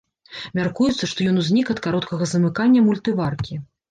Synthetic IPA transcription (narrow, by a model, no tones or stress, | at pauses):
mʲarkujut̪sːɐʂt̪ɔjɔnuzʲnʲikɐt̪kaɾɔt̪kɐɣɐzɐmɨkanʲːɐmulʲt̪ɨvarkʲi